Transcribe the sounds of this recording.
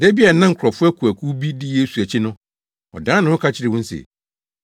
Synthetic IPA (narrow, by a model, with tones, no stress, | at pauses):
dɛ˦bi˦a˨nã˦ŋ̩˨kʰɾɔ˨fʊ˦ɛ˦kʰu˨æ˨kʰu˦bi˦di˦je˦su˨æ˨t͡ɕʰɪ˦nʊ̃˦ | ɔ̰˨dãː˨˦nʊ̃˦hʊ̃˦kʰa˦t͡ɕʰɪ˦ɾɪ˨wʊ̃˦n̩˦sɛ̰˨